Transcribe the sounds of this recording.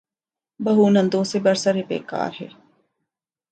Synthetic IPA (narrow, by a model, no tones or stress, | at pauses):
bɐɦuːnɐ̃nd̪oːsebɐɾsɐɾebḛːka̰ːɾɦḛː